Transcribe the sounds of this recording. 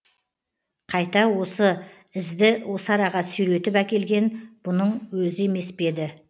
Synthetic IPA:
qʰɑjt̪ɑwo̞sə | ɪzd̪ɪwʔo̞sɑɾɑʁɑsʏɾe̞t̪ɪpækʲe̞lɡʲe̞nb̥ʊnəɴwɵzɪeme̞sbe̞d̪ɪ

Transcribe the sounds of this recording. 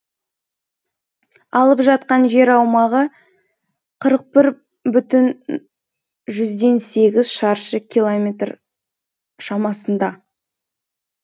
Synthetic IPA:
ɑlˠəpʒɑt̪̚qɑnʒe̞ɾɑwmɑʁə | qʰəɾəq̚pɪɾ | bʏt̪ɪn | ʒʏzd̪e̞nse̞ɡʲɪzʃɑɾʃəkʲʰilˠomʲe̞t̪r | ʃɑmɑsənd̪ɑ

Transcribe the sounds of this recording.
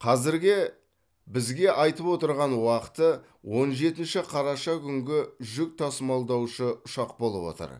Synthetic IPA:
qʰɑzɪɾɡʲɪ | bɪzɡʲe̞ʔɑjt̪əpwo̞t̪əɾʁɑnwɑqət̪ə | wo̞nʒe̞t̪ɪnʃɪqʰɑɾɑʃɑkʲʰʏŋɡʲɪʒʏk̚t̪ʰɑsmɑlˠd̪ɑwʃəʊʃɑq̚bo̞lˠə̰pwo̞̰t̪ə̰ɾ

